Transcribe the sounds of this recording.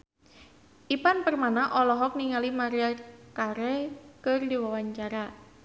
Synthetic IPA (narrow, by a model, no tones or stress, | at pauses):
ʔipanpərmanaʔɔlɔɦɔk̚niŋalimaɾakaɾɛkərdiwawaɲt͡ʃaɾa